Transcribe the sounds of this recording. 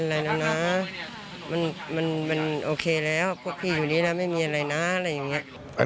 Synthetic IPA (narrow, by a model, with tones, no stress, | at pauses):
ʔa˧˨ɾa˧jla˧˥˩na˦˥ | ma˧˥˨nma˧˥˨nma˧˨nʔoː˧kʰeː˧lɛː˦˥˩wku˧˩ək̚pʰiː˧˩juː˨˩niː˧˩lɛ˧˥ma˥˩jmiː˧ʔa˧ɾa˧jna˦˥˧la˧jːa˨˩ŋi˦˥ɐ˨ʔ | a̰˧˨